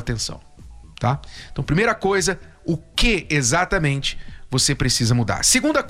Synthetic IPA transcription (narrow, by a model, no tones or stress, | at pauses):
t̪ẽsɐ̰̃w̃t̪ãt̪ɐ̃w̃pɾimejɾɐkojzɐ | ʊkɪezat̪ɐmẽnt͡ʃɪ̥vosepɾesizɐmud̪a̰ɾseɡũnd̪ɐ